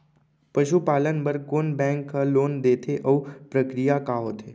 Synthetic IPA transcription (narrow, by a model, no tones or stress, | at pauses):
pɐʃupaːlənbɐɾkoːnbɛ̃ːŋkːaloːnd̪eːt̪ʰeʔɔʋpɾəkɾijakaɦoːt̪ʰeː